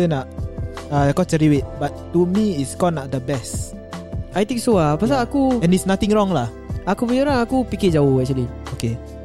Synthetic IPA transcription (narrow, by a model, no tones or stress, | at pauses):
ənaʔakɔt͡ʃəɾiwet̪̚bat̪ː | umiitskɔnaʔ̚d̪əbɛst | ʔajt̪ĩŋksoapas̬aakuɛ̃nitsnat̪ɪ̃ŋɹɔŋlah | akubəɲəlaakupiked͡ʒaohwɛk̚t͡ʃulioke